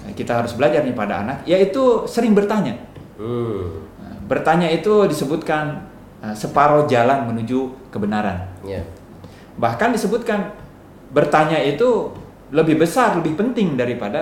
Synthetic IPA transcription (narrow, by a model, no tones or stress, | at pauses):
kit̪aɦaɾʊsbəlad͡ʒarɲapada̰a̰nak̚jait̪usəɾɪŋbərt̪aɲa | əbərt̪aɲait̪udisəbut̪̚kan | əsəpaɾod͡ʒalanmənud͡ʒukəbənaɾa̰n | bahkandisəbut̪̚kan | bərt̪aɲait̪u | ləbɪhbəsarləbɪhpənt̪ɪŋdaɾipada